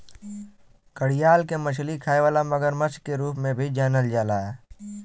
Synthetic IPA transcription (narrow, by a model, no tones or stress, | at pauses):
kəɽijaːlkemət͡ʃʰlikʰaːeʋaːlaməɡəɾmət͡ʃkːeɾuːpmẽbʱid͡ʒaːnəld͡ʒaːlaɛː